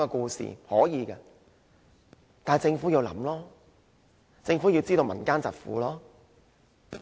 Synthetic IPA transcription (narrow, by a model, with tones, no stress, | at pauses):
ɛ˧kuː˧sḭː˨hɔː˨˥jiː˨˧kɛ˧ | t̪aː˨t͡sɪ˧ŋfuː˨˥jiː˧wlɐ̰˨˥mlɔː˥ | t͡sɪ˧ŋfu˨˥jiː˧wt͡siː˥t̪o˧wmɐ̰˨˩nkaː˥nt͡sɐ˨t̚fṵː˨˥lɔː˥